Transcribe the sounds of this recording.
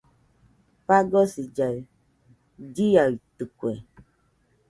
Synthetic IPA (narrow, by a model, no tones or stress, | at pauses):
paɡɔsid͡ʒa | d͡ʒijatɨkwɛ